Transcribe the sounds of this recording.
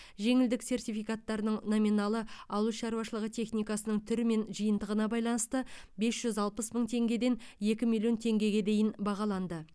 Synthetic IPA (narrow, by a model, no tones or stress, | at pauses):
ʒe̞ŋɪld̪ɪkse̞rt̪ijfijkat̪ːɑɾənəɴno̞minɑlˠəɑwəlˠʃɑɾuwɑʃəlˠəʁət̪ʰe̞χnijkɑsənəɴt̪ʰʏɾɪme̞nʒəjənd̪əʁənɑbɑjlˠɑnəst̪əbe̞sʒ̥ʏzɑlˠpəsməɴt̪ʰe̞ŋɡʲe̞d̪e̞nje̞kʲɪmijlʲˠjo̞nt̪ʰe̞ŋɡʲe̞ɡʲe̞d̪e̞jɪnbɑʁɑlˠɑnd̪ə